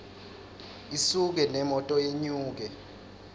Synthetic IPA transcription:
isuk̬ɛnɛmɔtʼɔjeɲuːk̬ɛ

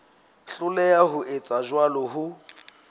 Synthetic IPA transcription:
ɬʊlɛjaɦʊʔɪt͡sʼaʒwalɔɦʊ

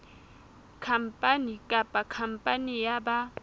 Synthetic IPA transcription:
kʰam̩pʼanikʼapʼakʰam̩pʼanijaba

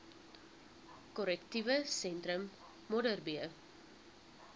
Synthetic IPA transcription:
kɔɾɛktivəsɛntɾəmː | ɔdərbiə

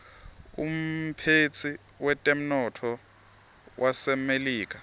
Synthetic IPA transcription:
ṵm̩pʰet͡sʰi | wɛtʼem̩nɔtʰɔ | wʔasɛmeliːk̬ʼa

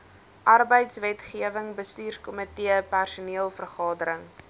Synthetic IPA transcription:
ʔɐrbəjtsvɛtχiəvəŋbəstyːrkɔmətiəpærsuniəlˠfərχɑːdəɾəŋ

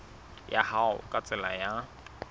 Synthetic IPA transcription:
ja̰haʊ̰kʼat͡sʼɪlaja

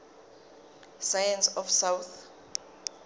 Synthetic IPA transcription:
sajɛnsɔfsawt̪

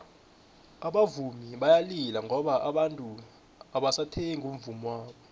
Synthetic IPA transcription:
aɓavumiɓajalilaŋɡɔɓaʔaɓantʼu | aɓasatʰeŋum̩vumwaːɓɔ

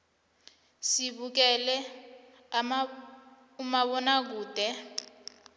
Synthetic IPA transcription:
siβuk̬ɛlɛ | a | umaβɔnak̬uːd̥ʱɛ

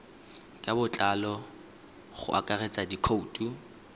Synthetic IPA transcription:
kʼabʊt͡ɬʼalɔ | χʊ̰ʔa̰kʼaret͡sʼadikʰoutʼu

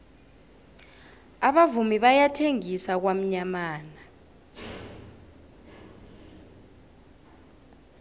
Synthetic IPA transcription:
aɓavumiɓajatʰeŋisak̬wam̩ɲamaːna

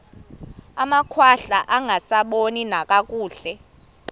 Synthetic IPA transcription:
amakʰwaɬaʔaŋʱasaɓoninakʼakʼuːɬɛ

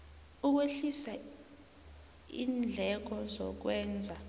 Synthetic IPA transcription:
uk̬eɬisa | ḭːnd͡ɮʱɛk̬ɔzɔ̰k̬wɛːnd͡zʱa

